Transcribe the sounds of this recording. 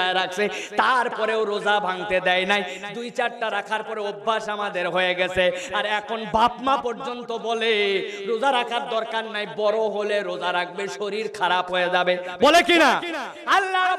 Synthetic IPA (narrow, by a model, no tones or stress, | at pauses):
aeɾak̚ʰset̪aɾpɔɾeoɾozabʱaŋt̪ed̪ɛjnajd̪ujt͡ɕaɾʈaɾakʰaɾpɔɾeobʱːaʃamad̪eɾɦojeɡɛt͡ɕʰeaɾɛkʰonbʱapmapɔɾd͡ʑont̪obɔleɾod͡zaɾakʰaɾd̪ɔɾkaɾnajbɔɾoɦoleɾod͡ʑaɾaɡ̚beʃoɾiɾkʰaɾapɦoed͡ʑabebɔlekina | alːaɾ